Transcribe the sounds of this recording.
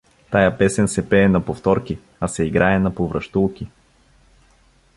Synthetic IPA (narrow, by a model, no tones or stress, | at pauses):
t̪ajapɛsɛnsɛpɛːnɐpoft̪ɔɾki | ɐsɛiɡɾaɛnɐpovɾɐʃt̪ulˠki